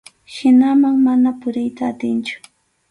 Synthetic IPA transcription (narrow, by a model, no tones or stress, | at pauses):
ʃɪnamaŋmanapʊɾɪjt̪aːt̪ɪnt͡ʃʊ̥